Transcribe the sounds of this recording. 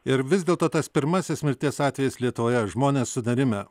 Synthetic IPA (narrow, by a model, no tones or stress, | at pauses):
ɪɾʋʲɪzʲd̪ʲeːlˠt̪oːt̪ɐspʲɪɾmɑsʲɪsmʲɪɾʲt̪ʲiɛsɑːt̪ʲʋʲɛjɪslʲiɛt̪ʊʋoːjɛʒmoːnʲeːsːʊd̪ɐɾʲɪmʲɛ